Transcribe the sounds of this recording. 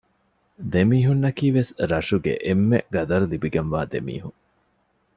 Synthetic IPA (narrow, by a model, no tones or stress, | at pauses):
d̪emiːɦunːɐkiːʋesɾɐʂuɡḛʔemːeʔɡɐd̪ɐɾulibiɡɐnʋaːd̪ḛmḭːɦuŋ